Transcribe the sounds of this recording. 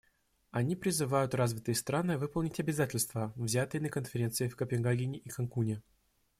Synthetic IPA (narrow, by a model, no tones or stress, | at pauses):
ɐnʲipɾʲɪzɨvajʊt̪razvʲɪt̪ɨjst̪ɾanɨvɨpəlˠnʲɪtʲɐbʲɪzatʲɪlʲst̪vəvzʲat̪ɨjənəkənfʲɪɾʲe̞nt̪sɨjɪfkəpʲɪnɡaɡʲɪnʲɪʔikɐnkunʲɪ